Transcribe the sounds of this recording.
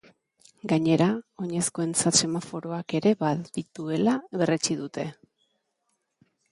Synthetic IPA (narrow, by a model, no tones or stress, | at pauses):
ɡaɲe̞ɾao̞ɲe̞sko̞e̞nt͡sat̪se̞mafo̞ɾo̞ake̞ɾe̞βadit̪ue̞laβe̞ret͡ʃiðut̪e̞